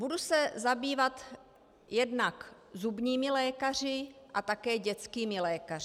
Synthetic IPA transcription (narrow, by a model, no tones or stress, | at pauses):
budusɛzabiːvat̪ | jɛdnak | zubɲiːmɪlɛːkar̝ɪʔat̪akɛːɟɛt͡skiːmɪlɛːkarɪ